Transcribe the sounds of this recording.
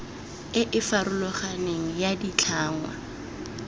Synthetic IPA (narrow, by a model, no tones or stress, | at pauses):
ɪʔɪfaɾʊlɔχaneŋ̩jadit͡ɬʰaːŋwa̰